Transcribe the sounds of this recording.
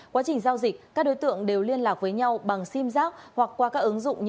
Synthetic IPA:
kwaː˨˦t͡ɕï˨˩ŋ̟zaː˧wzï˨˩k̚kaː˦˥k̚ɗo˨˦jt̪ɨ̰˧˨əŋɗe˨˩wli˧ənlaː˨˩k̚vəː˨˦jɲa˧wɓa˨˩ŋsi˧mzaː˦˥k̚hwa˨˩k̚kːwaː˧kaː˦˥k̚ʔɨ˨˦ŋzʊ̰˧˨ŋ͡mɲ

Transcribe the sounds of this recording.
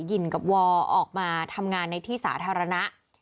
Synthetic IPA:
ji˨˩nka˨˩p̚wɔː˧ʔɔː˨˩k̚maː˧t̪ʰa˧mŋaː˧nːa˧jt̪ʰiː˥˩sa̰ː˩˦t̪ʰaː˧ɾa˧na˦˥ʔ

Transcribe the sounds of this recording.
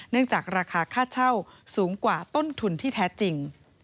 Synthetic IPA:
nɯ˥˩əŋt͡ɕaː˨˩k̚ɾaː˧kʰaː˧kʰaː˥˩t̪̚t͡ɕʰa˥˩wsuː˩˦ŋkwaː˨˩t̪o˥˩nt̪ʰu˧nt̪ʰiː˥˩t̪ʰɛː˦˥t͡ɕi˧ŋ

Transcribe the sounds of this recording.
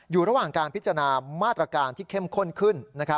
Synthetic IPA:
juː˨˩ɾa˧waː˨˩ŋkaː˧npʰi˦˥t͡ɕːɾnaː˧maː˥˩t̪ːɾa˧kaː˧nt̪ʰiː˥˩kʰe˥˩mkʰo˥˩nkʰɯ˥˩nːa˦˥kʰa˦˥

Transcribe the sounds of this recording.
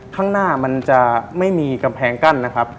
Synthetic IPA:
kʰaː˥˩ŋnaː˥˩ma˧nt͡ɕa˨˩ma˥˩jmiː˧ka˧mpʰɛː˨˦ŋka˥˩nːa˦˥kʰa˦˥p̚

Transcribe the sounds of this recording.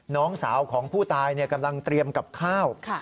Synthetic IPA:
nɔː˦˥ŋsaː˩˦wkʰɔː˩˦ŋpʰuː˥˩t̪aː˧jni˥˩ɐka˧mla˧ŋt̪ɾi˧əmka˨˩p̚kʰaː˥˩wkʰ

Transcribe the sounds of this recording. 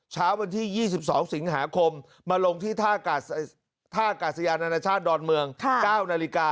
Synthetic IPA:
t͡ɕʰaː˦˥wa˧nt̪ʰiː˥˩jiː˥˩si˨˩p̚sɔː˩˦ŋsi˩˦ŋɦa̰ː˩˦kʰo˧mː | aː˧lo˧ŋt̪ʰiː˥˩t̪ʰaː˥˩˨ | t̪ʰaː˥˩ʔa˧kaː˨˩t̪̚sa˧jaː˧nta˧naː˧t͡ɕʰaː˥˩t̪̚dɔː˧nmɯ˧əŋkʰkaː˥˩wna˧li˧˥kaː˧

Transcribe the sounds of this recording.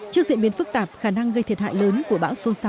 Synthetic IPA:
t͡ɕk̚zḭ˧˨ənɓi˨˦ənfɨ˦˥k̚t̪aː˨˩p̚xaː˧˩na˧ŋɣə˧jt̪ʰi˨˩t̚ɦa̰ː˧˨jləː˨˦nku˧˩əɓa̰ː˧˥wso˧saː˨˧˦

